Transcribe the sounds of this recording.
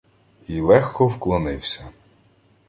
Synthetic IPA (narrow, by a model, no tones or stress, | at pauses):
ilˠɛxkɔwklˠɔnɪwsʲɐ